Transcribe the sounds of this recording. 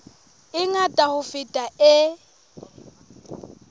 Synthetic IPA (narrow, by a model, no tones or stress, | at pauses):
ɪŋatʼahʊfɪtʼaɪ